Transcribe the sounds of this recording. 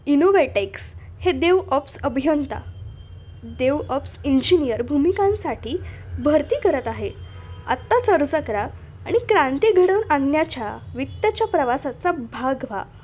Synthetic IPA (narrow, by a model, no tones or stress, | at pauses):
inoʋeʈeks | hed̪eʋɔpsəbʱijənt̪a̰ | d̪eʋɔpsiɲd͡ʑinijəɾbʱumikãnsaʈʰiːbʱəɾt̪iːkəɾət̪aɦe | ə̰t̪ːat͡səɾd͡zəkɾa̰ː | ɽ̃ikɾãnt̪iɡʱəɽəɳannjat͡ɕjaʋit̪jat͡ɕjapɾəʋasat͡sabʱaɡʋa